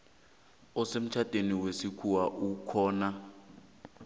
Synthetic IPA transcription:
ɔsem̩t͡ʃʰatʼeniwesikʰuwaʔukʰɔːna

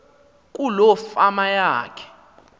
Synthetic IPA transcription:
k̬ʼulɔfamajaːkʰɛ̥

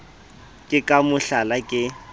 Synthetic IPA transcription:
kʼɪkʼamʊɬalakʼɪ

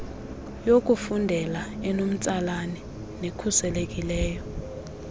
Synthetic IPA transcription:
jok̬ʼufundʱɛlaɛnom̩t͡sʼalanɛ | nekʰusɛlekʼilɛːjɔ

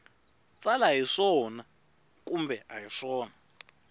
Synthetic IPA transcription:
t͡sʼalajiʂɔna | kʼumbɛʔajiʂɔːna

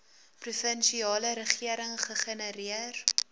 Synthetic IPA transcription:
prufənʃiɑːləɾəχiəɾəŋχəχənəɾiər

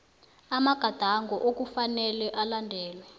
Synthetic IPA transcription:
amaɡ̥ʱad̥ʱaŋɡɔʔokufanɛlɛʔalandʱɛːlwɛ

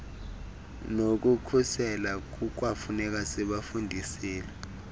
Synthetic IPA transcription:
nok̬ukʰusɛlak̬uk̬wafunɛk̬asɛɓafundʱisiːlɛ

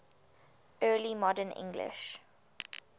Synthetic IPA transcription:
ɜːlimɔdənɪ̰̃ŋɡlɪ̰ʃ

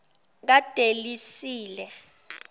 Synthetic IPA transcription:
k̬ad̥ʱelisiːlɛ

